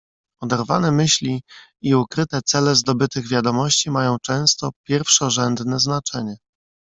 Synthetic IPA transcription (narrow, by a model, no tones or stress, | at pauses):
ɔd̪ɛɾvanɛmɘɕlʲi | iukɾɘt̪ɛt̪sɛlɛzd̪ɔbɘt̪ɘɣvʲjad̪ɔmɔɕt͡ɕimajɔ̃w̃t͡ʂɛ̃w̃st̪ɔpʲjɛɾfʂɔʐɛnd̪nɛznat͡ʂɛɲɛ